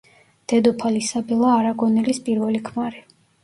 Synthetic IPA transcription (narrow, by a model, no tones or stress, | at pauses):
d̪̥ɛd̪ɔpʰalisabɛlˠaːɾaɡɔnɛlispʼiɾvɛlikʰmaɾi